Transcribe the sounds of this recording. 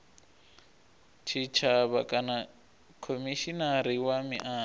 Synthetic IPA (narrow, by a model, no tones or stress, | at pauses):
t͡ʃʰit͡ʃʰaβakʼana | kʰomiʃinaɾiwamiʔaː